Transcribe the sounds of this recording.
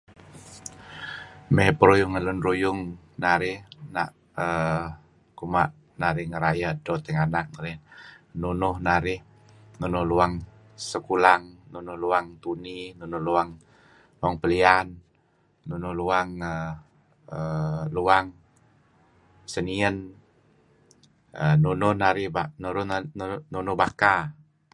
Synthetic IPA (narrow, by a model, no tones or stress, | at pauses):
mɛɦpəɾujʊŋəlʊnɾujʊŋ | naɾɪhna̰ʔ | ə | kumaʔ | naɾɪhŋəɾajadɔt̪ɛŋanak̚naɾɪh | nunʊhnaɾɪh | nunʊhluaŋ | səkulaŋnunʊhluaŋt̪uninunʊhluaŋ | laŋpəlianː | unʊhluaŋə | əluaŋ | səniən | ənunʊhnaɾɪhbanuɾʊnunʊhbaka